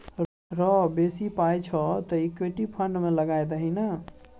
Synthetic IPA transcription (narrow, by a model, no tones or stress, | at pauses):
ɾɔbesipajt͡ʃʰɔt̪ɔikweʈipʰəɳɖmeləɡajd̪əɦinə